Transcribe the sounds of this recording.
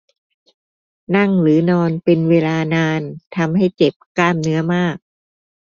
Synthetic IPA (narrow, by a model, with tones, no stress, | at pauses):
na˥˩ŋɾɯː˩˦nɔː˧npe˧nweː˧laː˧naː˧nt̪ʰa˧mɦa˥˩jt͡ɕe˨˩p̚kaː˥˩mnɯ˦˥ɐmaː˥˩k̚